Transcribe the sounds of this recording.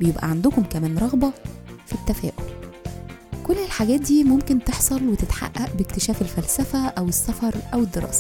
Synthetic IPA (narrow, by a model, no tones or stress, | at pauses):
bejebʔæ̰ʕand̪ʊkomkæmæːnɾˤɑɣbɑfit̪ːæfæ̰ːʔol | kolːelħaɡæːt̪̚d̪iːmomkent̪eħsˤɑlwet̪et̪ħa̰ʔʔːæʔbekt̪eʃæːfelfælsæfæʔæwesːæfɑɾˤʔæwed̪ːeɾˤɑ̰ːsæ̥